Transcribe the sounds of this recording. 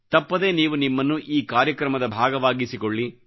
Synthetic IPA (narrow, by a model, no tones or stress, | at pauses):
t̪ɐpːɐd̪e̞ːniːʋunimːɐnːuʔiːkaːɾjɐkɾɐmɐd̪ɐbʱaːɡɐʋaːɡisikoɭːi